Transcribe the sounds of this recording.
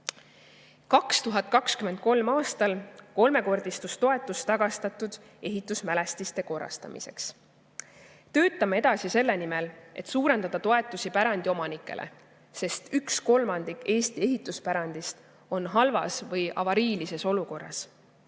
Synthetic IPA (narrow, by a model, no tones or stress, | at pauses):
kɑkst̪uɦɑt̪̚ˑkɑkskyment̪̚ko̞lmɑːst̪ɑlko̞lme̞ko̞rd̪̥ist̪ust̪o̞e̞t̪ːˑust̪ɑɡ̥ɑst̪ɑt̪ːud̪̥ | e̞ɦit̪ːˑusmæle̞st̪ist̪e̞ko̞rːɑ̰st̪ɑ̰mḭse̞̰ks | t̪ø̞ːt̪ˑːɑmee̞d̪̥ɑsise̞lːe̞nime̞lʔe̞̰t̪suːɾe̞nd̪̥ɑd̪̥ɑt̪o̞e̞t̪ːˑusipæɾɑnd̪io̞mɑnikːˑe̞̰lʔḛ | se̞st̪yksko̞lmɑnd̪̥ikːe̞ːst̪ie̞ɦit̪ːˑuspæɾɑnd̪ist̪ | o̞nɦɑlvɑ̰svɤjɑ̰vɑɾiːlise̞so̞luko̞rːɑ̰s